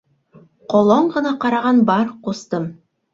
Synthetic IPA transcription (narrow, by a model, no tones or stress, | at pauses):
qolˠoɴʁɤ̆nɑqɑɾɑʁɑnbɑɾqust̪ɤm